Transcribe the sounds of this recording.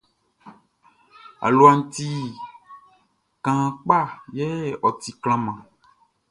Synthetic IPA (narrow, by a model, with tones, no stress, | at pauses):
a̰˨lu˨˦a˨ŋ̩˦t̪i˦ | kã˨˦k͡pa˦˨jɛ˦ɔ˨t̪i˨kl̃ã˦mã˨